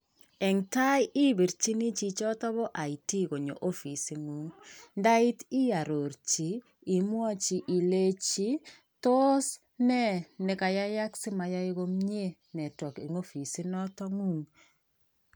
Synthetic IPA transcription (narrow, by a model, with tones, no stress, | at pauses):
ɛ˨ŋta˦jɪ˦bi˨ɾt͡ʃi˦ni˦t͡ʃi˨t͡ʃɔ˦tɔ˦βɔ˦ʔa˨i˨ti˦ko˨ɲo̰˨ʔo˦fi˨si˨ŋu˦ŋnda˦ɪ˦ti˦ja˨ɾo˨ɾt͡ʃiː˨˦˨ | mwɔ˦t͡ʃi˨ʔi˨le˦t͡ʃi˦ | to˦s | nɛ˦ne˨ka˨ja˦ja˦ksɪ˦ma˨ja˦ɪ˦ko˦mɲ˦e˦ | nɛ˨tɔ˨ki˨ŋo˦fi˨si˦nɔ˦tɔ˦ŋu˦ŋ